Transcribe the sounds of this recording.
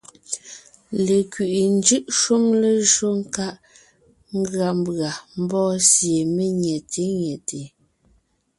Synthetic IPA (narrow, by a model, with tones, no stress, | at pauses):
le˨kɥi˨ʔi˨n˦d͡ʒʉ˦ʔʃu˦mle˦ʒo˦ŋ̩˦ka˦ʔ | ŋ̩˦ɡɰa˨m˦bɰa˨m̩˦bɔː˦sje˨me˦ɲɛ˨tʰe˨˦ɲjɛ˨te˨